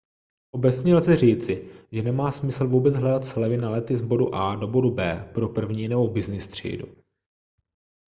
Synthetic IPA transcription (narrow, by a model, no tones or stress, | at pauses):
ʔo̞bɛt͡sɲɛlzɛr̝iːt͡sɪʒɛnɛmaːsmɪsl̩vuːbɛt͡sɦlɛdat̪slɛvɪnalɛt̪ɪzbo̞dṵʔaːdo̞bo̞dubɛːpɾo̞pr̩vɲiːnɛbo̞bɪznɪst̪r̝̥ḭːdṵ